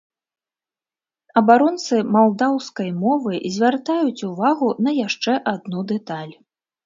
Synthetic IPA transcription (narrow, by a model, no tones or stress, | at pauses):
ɐbaɾɔnt̪sɨmalˠd̪awskɐjmɔvɨzʲvʲart̪ajut͡sʲuvaɣunɐjaʂt͡ʂɛʔad̪nud̪ɛt̪alʲ